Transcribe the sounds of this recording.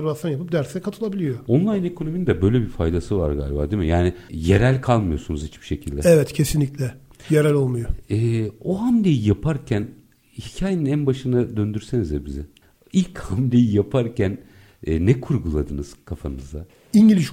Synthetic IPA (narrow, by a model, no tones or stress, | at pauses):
ɾbasʰanjapɯp̚d̪æɾsɛkʰat̪ʰɯlˠabilʲijoo̞nlˠajne̞kʰo̞no̞minid̪ɛbø̞jlʲɛbifajd̪asɯva̰ɾɡa̰ːlʲba̰ːd̪imijaːnijeɾælʲkʰalˠmɯjo̞sunuzhit͡ʃbi̥ʃe̞cʰilʲd̪ɛɛvɛt̪cʰesinlʲiclʲɛ | jeɾælʲo̞lˠmujoɛːoɦamlʲejijapʰaɾcʰæn | hicʰaːjeninænbaʃɯnad̪ønd̪yɾsenizd̪ɛbizɛ | ilʲchamlʲejijapʰaɾcʰænː | ɛkʰuɾɡulˠad̪ɯnɯz̥kʰafamɯzd̪a | iɲɟilʲiʃ